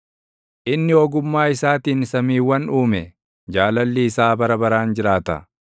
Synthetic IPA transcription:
ʔɪnːɪɔːɡʊmːaːɪsaːt̪iːnsɐmiːwːɐnuːmɛ | d͡ʒaːlɐlːɪːsaːbɐɾɐbɐɾaːnd͡ʒɪɾaːt̪ɐ̰

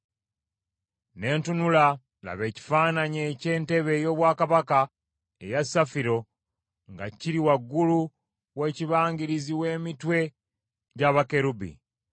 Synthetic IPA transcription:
ne̞ːntunula | la̰βe̞ːci̥faːnaɲeːce̞ːnte̞βe̞jo̞ːβwaːkaβaka | ejasafiɾo̞ | ŋɡaciɾiwaɡːulu | we̞ːciβaːɲɡiɾiziwe̞ːmitwe̞ | ɟaβake̞ɾubḭ

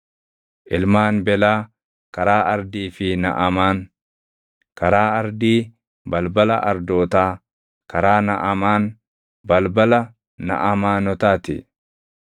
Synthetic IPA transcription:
ʔɪlmaːnbɛlaː | kɐɾaːʔɐɾd̪iːfɪnɐ̰ʔɐmaːn | kɐɾaːɐɾd̪iː | bɐlbɐlɐʔɐ̰ɾd̪oːt̪aː | kɐɾaːnɐʔɐmaːn | bɐlbɐlɐː | ɐ̰ʔɐmaːnɔt̪aːt̪ɪ̰

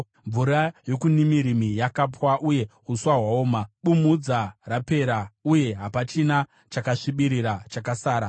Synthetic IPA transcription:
ɱvuɾajo̞kunimiɾimijakapwaʔuje̞ | uswaɦwaoːmaɓumud͡zarape̞ɾauje̞ɦapat͡ʃina | t͡ʃakaʂiɓiɾiɾat͡ʃakasaːɾa

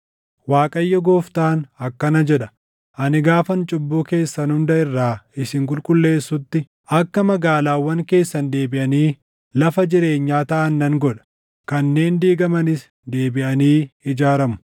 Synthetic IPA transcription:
waːkʼɐjːɔɡoːft̪aːnɐkːɐnɐd͡ʒɛᶑɐ̥ | ʔɐnɪɡaːfɐnt͡ʃʼʊbːuːke̞ːsːɐnhʊnd̪ɐɪrːaːɪsɪŋk̬ʼʊlkʼʊlːe̞ːsːʊt̪ːɪ | ɐkːɐmɐɡaːlaːwːɐŋke̞ːsːɐnd̪e̞ːbɪʔɐniː | lɐfɐd͡ʒɪɾe̞ːɲːaːt̪ɐʔɐnːɐŋɡɔᶑɐ̥ | kɐnːe̞ːnd̪iːɡɐmɐnɪs | d̪e̞ːbɪʔɐniːɪd͡ʒaːɾɐmʊ̥

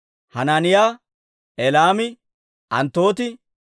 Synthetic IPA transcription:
hɐnaːnɪjaː | ɛlaːmɪ | ʔɐ̰nt̪ːo̞ːt̪ɪ

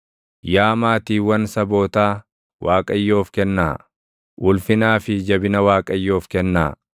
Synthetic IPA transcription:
jaːmaːt̪iːwɐnsɐbo̞ːt̪aː | wʔaːkʼɐjːo̞ːfkɛnːa̰ː | wʔʊlfɪnaːfɪd͡ʒɐbɪnɐwaːkʼɐjːo̞ːfkɛnːa̰ː

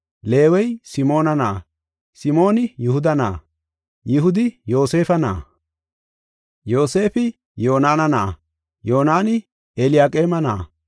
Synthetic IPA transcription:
le̞ːwɛjsɪmo̞ːnɐnaː | sɪmo̞ːnɪjɪɦʊd̪ɐna̰ː | jɪɦʊd̪ɪjo̞ːse̞ːfɐna̰ː | jo̞ːse̞ːfɪ | jo̞ːnaːnɐnaː | jo̞ːnaːnɪ | ɛlɪjaːkʼeːmɐna̰ː

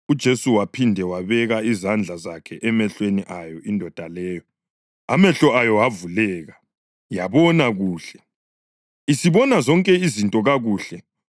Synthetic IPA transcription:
ud̥ʒ̥ʱesuwapʰindʱɛwaβɛɣaizand͡ɮʱazakʰɛʔɛmɛɬweniʔajɔʔindʱɔd̥ʱalɛːjɔ | amɛɬɔajɔwavulɛːɣa | jaβɔnaɣuːɬɛ | isiβɔnazɔŋkʼɛizintʼɔɣaɣuːɬɛ

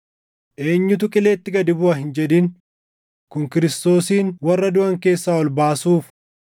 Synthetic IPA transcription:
ʔe̞ːɲːʊt̪̬ʊkʼɪle̞ːt̪ːɪɡɐd̪ɪbʊʔɐhɪnd͡ʒɛd̪ɪn | kʊŋkɪɾɪst̪o̞ːsiːnwɐrːɐd̪ʊʔɐŋke̞ːsːaːɔlbaːsuːf

